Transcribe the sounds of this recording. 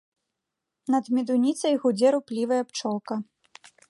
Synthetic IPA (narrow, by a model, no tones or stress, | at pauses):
nɐd̪mʲid̪unʲit̪sɐjɣud͡zʲɛɾuplʲivɐjɐpt͡ʂɔlˠkɐ